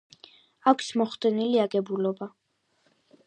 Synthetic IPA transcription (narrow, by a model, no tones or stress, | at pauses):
akʷʰsmɔχd̪ɛniliaɡɛbulɔba